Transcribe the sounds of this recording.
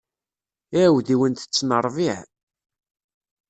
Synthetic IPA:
iwðiwənt̪ə̥t͡sːnəɾˤviʕ

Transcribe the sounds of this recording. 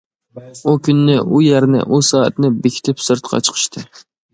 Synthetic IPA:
ukʲynːɪʔujæɾnɪ̰ʔusɑːɛ̰t̪nɨbekʲʰi̥t̪ʰɪpsɨɾt̪qʰɑ̰t͡ʃʰə̥qʰə̥ʃt̪ʰɨ

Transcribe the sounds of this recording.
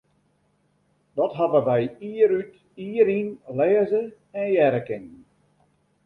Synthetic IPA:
dɔtɦavəʋɛjiəɾyt | iəɾinlɛːzə | ɛnjɛɾəkɪŋ

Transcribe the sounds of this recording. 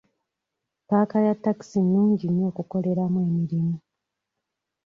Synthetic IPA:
paːkajatːaki̥sinːuːɲɟino̞ːkuko̞le̞ɾamwe̞ːmiɾimu

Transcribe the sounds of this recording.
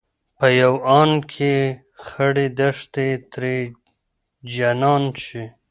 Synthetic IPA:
pəjawɑnkʰe | xəɽed̪aʂt̪et̪ɾe | d͡ʒanɑnt͡ʃi

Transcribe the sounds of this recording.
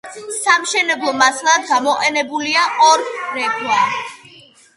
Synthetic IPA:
samʃɛnɛblˠɔmaslˠad̪̚ɡamɔqʼɛnɛbuliaʔɔɾɾɛɡwa

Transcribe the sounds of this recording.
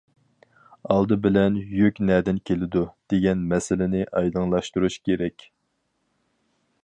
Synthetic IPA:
ɑlˠd̪ɨbɪlɛnjykʲnɛd̪ɪnkʲʰelɪd̪ud̪̥eɡʲɛnmɛsɪlɪnɪʔɑjləŋlˠɑʃt̪uɾuʃkʲʰeɾɛkʲ

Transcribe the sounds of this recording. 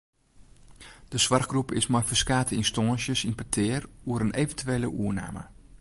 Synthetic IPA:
d̥əsʋarχɡrupɪsmajfəskaːtəinstɔnsjəsinpətʰɪːruəɾənʔevəntyʋeːləʔuəna̰ːmə̰

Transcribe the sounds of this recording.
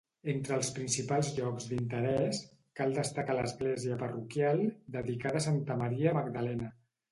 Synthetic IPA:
ent̪ɾəːlˠspɾinsipalˠzʎɔkzd̪int̪əɾɛs | kalˠd̪əst̪əkaləzɣlɛziəpərukjalˠd̪əðikaðəsant̪əməɾiəməɡd̪əlɛnə

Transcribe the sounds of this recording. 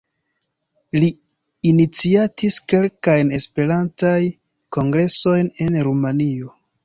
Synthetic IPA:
liː | nit͡siatiske̞lkajne̞spe̞ɾantaj | ko̞ŋɡɾe̞so̞jne̞nɾumanio̞

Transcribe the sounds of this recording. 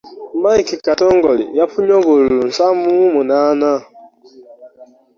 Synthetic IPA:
maikikatɔŋ̩ɡɔlḭjapʊɲɔɡoɾuun̩samumumunana

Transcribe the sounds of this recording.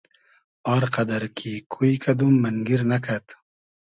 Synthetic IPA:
ɑːɾqɐd̪aɾkʰikʰujkʰɐd̪umːɐnɡiɾnakʰat̪

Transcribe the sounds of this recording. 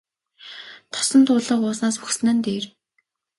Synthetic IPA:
t̪ʰɔ̥sɞ̆nt̪ʰʊːɮə̆qʊːsnaːsuxs̆nə̆nt̪eːr

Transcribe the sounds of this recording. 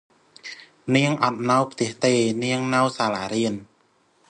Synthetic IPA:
niəŋʔɑt̪̚nawpʰt̪ɛ̆əht̪eːniəŋnɨwsaːlaːɾiən

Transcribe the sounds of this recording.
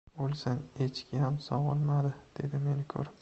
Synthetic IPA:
bolˠsanet͡ʃkʲʰɪhamsɒʁlˠmad̪ɪd̪̥e̞d̪ɪme̞nɪkʲʰɵ̰ɾ

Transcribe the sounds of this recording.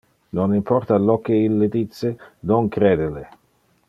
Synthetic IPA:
nonimpɔrt̪alɔkːeilːɪd̪it̪sːɪnoŋkɾɛːd̪ɪlɪ

